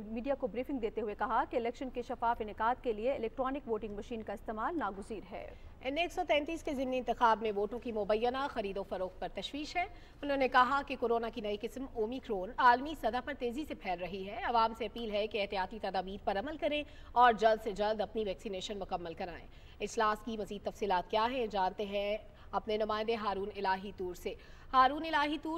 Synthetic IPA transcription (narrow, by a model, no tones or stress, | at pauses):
miːɖijakobɾiːfɪ̃ŋɡd̪eːt̪eɦuekɐɦakeɪlɛːkʃənkeʃɐfaːfɪnɪkaːd̪̚kelieɪlɛːk̚ʈɾɔːnɪkʋoːʈɪ̃ŋɡmɐʃiːnkaɪst̪eːmaːlnaːɡʊziːɾɦɛ̰ːɛneːksɔt̪ɛ̃ːnt̪iːskezɪmniɪ̃nt̪ɪxaːbmẽʋoːʈõkimʊbəjːənaxɐɾiːd̪ofɐɾoːkpɐɾt̪ɐʃwiːʃɦɛː | ʊnɦõːnekɐɦakekoːɾoːnakinɐiqɪsmoːmiːkɾoːnaːlmisɐd̪apɐɾt̪eːzisepʰɛːlɾɐɦiɦɛɐʋaːmseɐpiːlɦɛkeɛɦt̪ijaːt̪it̪ɐd̪aːbiːɾpɐɾɐməlkɐɾẽ | ɔːɾd͡ʒɐld̪sed͡ʒɐld̪ɐpniʋɛːksineːʃənmʊkɐmːəlkɐɾaːḛ̃ | ɪd͡ʒlaːskimɐziːd̪̚t̪ɐfsiːlaːt̪kjaːɦɛ̃d͡ʒaːnt̪eɦɛ̃ | ɐpnenʊmaːɪ̃nd̪eɦaːɾuːnɪlaːɦit̪uːɾse | haːɾuːnɪlaːɦit̪uː